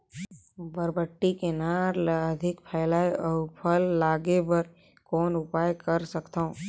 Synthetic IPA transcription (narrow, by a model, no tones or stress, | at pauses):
bəɾbəʈːikenaːɾləd̪ʱɪkpʰɛːlaːjʔɔpʰəlːaːɡebəɾ | kɔːnʊpaːjkəɾsəkt̪aõ